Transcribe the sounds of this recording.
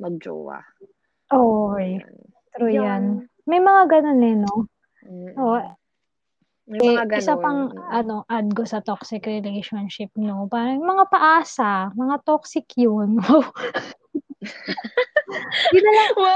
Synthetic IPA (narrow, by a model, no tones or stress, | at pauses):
mɐɡ̚d͡ʒo̰ːwa̰ | ʔoj | t̪ɾujan | mɐjmɐŋaɡɐnonɛno̞ | ʔo | ɐɛaɡɪsapɐŋʔɐno̞ʔɐd̪̚ɡosɐt̪oksɪkɾɪlɛjʃonʃɪp̚nopaːɾɐŋmɐŋapɐʔaːsɐmɐŋat̪oksɪkjono | ɡɪnɐlɐŋ